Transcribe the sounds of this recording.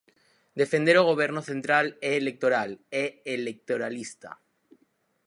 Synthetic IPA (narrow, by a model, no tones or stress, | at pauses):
d̪e̞fe̞nd̪eɾoɣ̞o̞β̞je̞ɾnoθe̞nt̪ɾaleːlek̚t̪oɾaleːlek̚t̪oɾalist̪a̰